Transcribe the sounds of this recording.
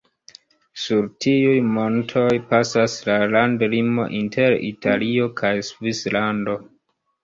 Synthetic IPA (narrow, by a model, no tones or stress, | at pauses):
suɾtʰiujmo̞ntʰo̞jpasaslalandlimo̞̰ʔintʰe̞ɾḭtʰalio̞kʰajsvislando̞